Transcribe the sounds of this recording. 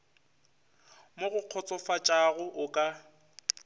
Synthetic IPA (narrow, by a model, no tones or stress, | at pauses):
moɣʊq͡χʰɔt͡sʼɔfat͡ʃʼaɣʊʔʊkʼa